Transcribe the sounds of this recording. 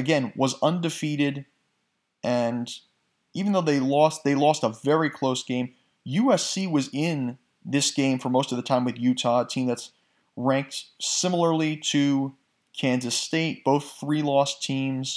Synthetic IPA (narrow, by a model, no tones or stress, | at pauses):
ɨɡɛ̃nwʌzʌ̃ndɨfiɾɪɾ | ʔɨ̃n | ivn̩ðoʊðeɪlɔst̚ðeɪlɔstəvɛɹikʰl̥oʊsɡ̥ẽɪ̃m | jʉɛsiwʌzɪ̃n | ðɪsɡ̥ẽɪ̃ɱfə˞moʊstʌvðɨtʰãɪ̃mwɨðjʉtʰɑtʰĩmðɨts | ɹæ̃ŋk̚tsɪ̃ml̩ˠə˞liɾɨ | kʰæ̃nzɨsteɪt̚b̥oʊθɹilɔstʰĩmz̥